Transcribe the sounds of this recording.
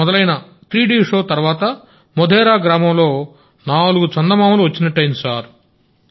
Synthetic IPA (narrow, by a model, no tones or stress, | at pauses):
ɔd̪ɐlɐjnɐ | t̪ɾiːɖiːʂoːt̪ɐɾʋaːt̪ɐ | mɔd̪ʱɛːɾaːɡɾaːmɐmlo̞ː | naːluɡut͡ʃɐnd̪ɐmaːmluʋɐt͡ʃːinɐʈːɐjnsaːɾ